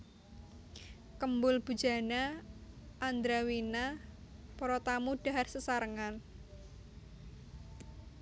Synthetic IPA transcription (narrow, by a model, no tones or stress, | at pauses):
kəmbʊlb̥ṳd̥d͡ʒ̥a̤na | ʔːnd̪ɾawinapɔɾɔt̪amuɖ̥a̤ɦarsəsaɾəŋan